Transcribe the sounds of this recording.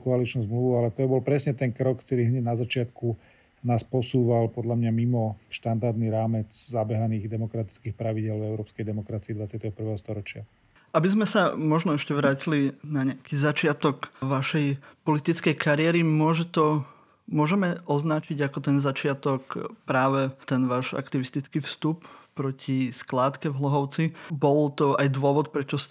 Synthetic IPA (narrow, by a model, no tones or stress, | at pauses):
kɔalit͡ʃnuʊzmluʋualɛt̪ɔbɔlpɾɛsɲɛt̪ɛnkɾɔkːt̪ɔɾiːɦɲɛnazat͡ʃɪat̪ku | naːspɔsuːʋalpɔd̪lamɲamimɔʃt̪and̪aɾd̪niɾaːmɛt͡szabɛɦaniːɣd̪ɛmɔkɾat̪i̥t͡skiːxpɾaʋiɟɛlvɛʊɾɔːpskɛjd̪ɛmɔkɾat͡sijid̪ʋat͡sɪat̪ɛɦɔpr̩ʋɛːɦɔst̪ɔɾɔt͡ʃɪa | ʔabizmɛsamɔʒnɔɛʃcɛʋɾaːcilinaɲɪakizat͡ʃɪat̪ɔkʋaʃɛjpɔlit̪it͡skɛjkʰaɾɪɛɾimʊɔʒɛt̪ɔ | mʊɔʒɛmɛʔɔznat͡ʃiɟakɔt̪ɛnzat͡ʃɪat̪ɔkpɾaːʋɛt̪ɛnʋaːʒa̰kt̪iʋist̪it͡skifst̪upːɾɔcʰisklaːt̪kɛvɦlɔɦɔʊt͡sibɔlt̪ɔajd̪ʋʊɔʋɔt̪̚pɾɛt͡ʃɔs